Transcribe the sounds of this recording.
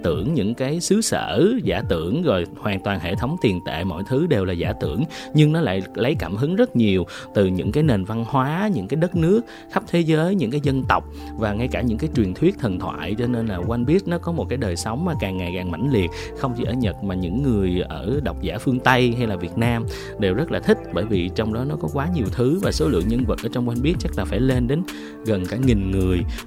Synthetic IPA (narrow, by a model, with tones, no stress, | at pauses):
t̪ɨ̰˧˩əŋɲɨ̰˧˥ŋkaː˨˦jsɨ˨˦sə̰ː˧˥zaː˧˩t̪ɨ̰˧˩əŋzɔ˨˩jhwaː˨˩ŋt̪waː˨˩nhḛ˧˨t̪ʰə˨˦wŋ͡mt̪i˨˩ənt̪ḛ˧˨mɔ̰˧˨jt̪ʰɨ˨˦ɗe˨˩wlaː˨˩zaː˧˩t̪ɨ̰˧˩əŋɲɨ˧ŋnɔ˨˦la̰ː˧˨jlə˨˦jkaː˧˩mhɨ˨˦ŋzə˦˥t̚ɲi˨˩əw | t̪ɨ˨˩ɲɨ̰˧˥ŋkaː˨˦jne˨˩nva˧nhwaː˨˦ɲɨ̰˧˥ŋkaː˨˦jɗə˦˥t̚nɨ˦˥ək̚ | xp̚t̪ʰe˨˦zəː˨˦jɲɨ̰˧˥kaː˨˦jzə˧nt̪ə˨˩wk͡p̚ | vaː˨˩ŋa˧jkaː˧˩ɲɨ̰˧˥ŋkaː˨˦jt͡ɕwi˨˩ənt̪ʰwi˦˥ət̚t̪ʰə˨˩nt̪ʰwa̰ː˧˨jt͡ɕɔ˧ne˧nlaː˨˩kwa˧nɓi˦˥ət̚nɔ˨˦kɔ˨˦mo˨˩t̚kaː˨˦jɗəː˨˩jsɔ˨˦wŋ͡mmaː˨˩kaː˨˩ŋːa˨˩jkaː˨˩ŋma̰˧˩jŋ̟li˨˩ət̚ | xə˧wŋ͡mt͡ɕi˧˩ʔəː˧˩ɲə˨˩t̚maː˨˩ɲɨ̰˧˥ŋːɨ˨˩əjʔəː˧˩ɗa˨˩wk͡p̚zaː˧˩fɨ˧əŋt̪ə˧jɦa˧jlaː˨˩vi˨˩ət̚naː˧m | ɗe˨˩wzə˦˥laː˨˩t̪ʰï˦˥k̟̚ɓəː˧˩jvi˨˩t͡ɕɔ˧wŋ͡mɗɔ˨˦nɔ˨˦kɔ˨˦kwaː˨˦ɲi˨˩əwt̪ʰɨ˨˦vaː˨˩so˨˦lɨ̰˧˨əŋɲə˧nvə˨˩t̚ʔəː˧˩t͡ɕwŋ͡mkwa˧nɓi˦˥ət̚t͡ɕa˦˥k̚laː˨˩faː˧˩jle˧nɗe˨˦n | ɣə˨˩nkaː˧˩ŋi˨˩ŋŋɨ˨˩əj